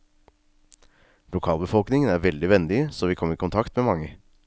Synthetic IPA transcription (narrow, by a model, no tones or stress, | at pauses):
lʊkʰɑːlˠbəfɔlknɪŋənæɾʋɛld̪ɪʋɛnd̪ɪəsoːʋiːkʰɔməɾiːkʊnt̪ʰɑkt̪meːmɑŋːə